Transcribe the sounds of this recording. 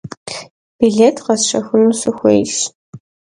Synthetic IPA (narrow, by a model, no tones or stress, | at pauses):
b̥iɮeːtʰqɐsʂɐxʊnusɨxʷḛːjɬ